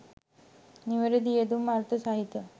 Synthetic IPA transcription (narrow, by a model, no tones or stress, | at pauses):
niʋɐɾɐd̪ieːd̪umaːɾt̪ɐsaːɦit̪ːjɐ